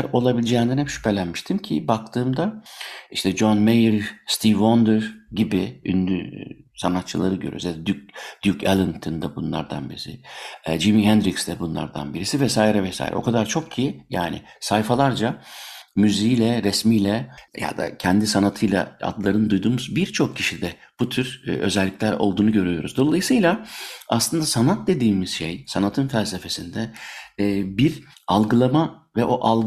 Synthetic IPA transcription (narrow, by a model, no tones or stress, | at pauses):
ɾo̞lˠabilʲid͡ʒɛːimnd̪ænhɛpʃy̥pʰɛlʲænmiʃt̪ʰimcʰibak̚t̪ʰɯːmd̪aiʃt̪ʰɛd͡ʒonmejɾst̪ʰivond̪ɯɾɟibɪy̰nd̪ysanat̪t͡ʃʰɯlˠaɾɯɟøɾy̰zjad̪ɛd̪yd̪̥ykelˠɯnt̪ʰɯnd̪abunlˠa̰ɾd̪a̰nbiɾisɪd͡ʒimiɦɛnd̪ɾiksd̪ɛbunlˠa̰ɾd̪a̰nbiɾisivɛsaːiɾɛvɛsa̰j̰ɾʔɛ̰o̞̰kʰad̪aɾt͡ʃʰo̞k̚cʰijjaːnɪ̰ | sajfalˠaɾd͡ʒamyziilʲɛɾɛsmijlʲɛja̰d̪a̰cʰɛnd̪isanat̪ʰɯjlˠa̰a̰d̪lˠaɾɯnɯd̪ujd̪uːmuzbiɾt͡ʃʰo̞kcʰːiʃid̪ɛ | b̥ut̪ʰyɾø̞̰zɛlʲːiclʲæɾo̞̰lˠd̪uːnuɟø̞ɾyjo̞ɾuzd̪o̞lˠajɯsɯjlˠaaslˠɯnd̪asanat̪̚d̪e̞d̪iːmiz̥ʃejsanat̪ʰɯnfælʲse̞fe̞sind̪ɛ | biɾ | alˠɡɯlˠamavɛʔo̞ʔalˠ